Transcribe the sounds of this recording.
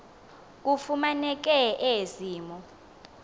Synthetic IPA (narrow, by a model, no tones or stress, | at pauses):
k̬ʼufumanɛk̬ʼɛʔeziːmɔ